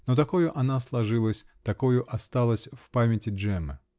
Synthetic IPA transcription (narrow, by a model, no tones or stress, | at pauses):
not̪ɐkojʊʔɐnaslˠɐʐɨlˠəsʲt̪ɐkojʊʔɐst̪alˠəsʲfpamʲɪtʲɪʐɛmɨ